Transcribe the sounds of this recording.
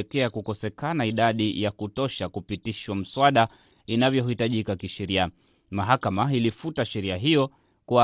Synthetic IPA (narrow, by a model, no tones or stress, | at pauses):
kɛakukɔsɛkanaiɗaɗijakutɔʃakupitiʃwam̩swaɗa | inavjɔhitaʄikakiʃɛɾia | maɦakamailifutaʃɛɾiaɦijɔ | kua